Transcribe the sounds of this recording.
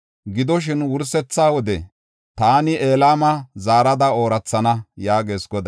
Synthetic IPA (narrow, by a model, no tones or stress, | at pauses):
ɡɪd̪ɔʃ̬ɪnwʊɾsɛt͡sːaːwɔd̪ɛ | t̪aːnɪʔeːlaːmɐzaːɾɐd̪ɐo̞ːɾɐt͡sːɐnɐjaːɡe̞ːskɔd̪ɐ